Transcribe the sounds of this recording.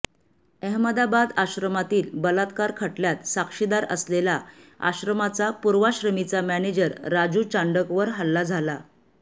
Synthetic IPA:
əɦməd̪abad̪aɕɾəmat̪iːlbəlat̪kaɾkʰəʈljat̪sakʂid̪aɾə̰slelaa̰ɕɾəmat͡sapuɾʋaɕɾəmit͡samæned͡ʑəɾːad͡ʑuːt͡ɕaɳɖəkʋəɾɦəlːad͡zʱala

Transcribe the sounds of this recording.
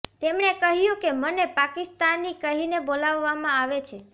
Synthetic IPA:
t̪emɳekəɦjũkemənepakist̪anːikəɦinebolaʋːamãaʋet͡ʃʰe

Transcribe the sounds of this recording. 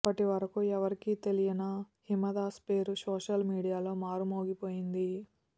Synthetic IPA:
ɐpːɐʈiʋɐɾɐkuɛʋɐɾikiːt̪e̞lijɐnɐ | himɐd̪aːspeːɾusoːʂɐlmiːɽijaːlo̞ːmaːɾumoːɡipo̞ːjind̪i

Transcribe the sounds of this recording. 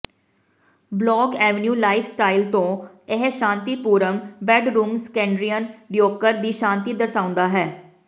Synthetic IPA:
blɔːɡɛːʋnjuːlaːɪfʰsʈaːilt̪õː | eɦʃãːnt̪iːpuːɾəmbɛːɖɾuːmskɛ̃ːɳɖɾijənɖjoːkəɾd̪iːʃãːnt̪iːd̪əɾsaːʊ̃nd̪aːɦɛː

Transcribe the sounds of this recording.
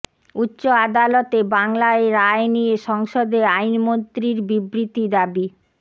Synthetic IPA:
utːɕoad̪alot̪ebaŋlaeɾaenijeʃɔŋʃod̪eajnmont̪ɾiɾbibɾit̪id̪abi

